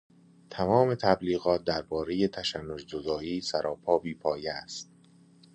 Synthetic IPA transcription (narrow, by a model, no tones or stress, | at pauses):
t̪ʰæmɒːme̞t̪ʰæbliːɣɒːt̪̚d̪æɾbɒːɾejet̪ʰæʃænːod͡ʒd͡ʒod̪ɒːiːsæɾʔɒːpʰɒːbiːpʰɒːjeæst̪̚